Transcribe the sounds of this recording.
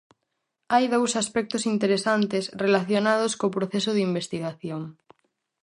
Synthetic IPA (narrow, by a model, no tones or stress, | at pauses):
ajðowsaspɛk̚t̪osint̪eɾesant̪esrelaθjonað̞oskoːpɾoθɛsʊðimbest̪iɣaθjoŋ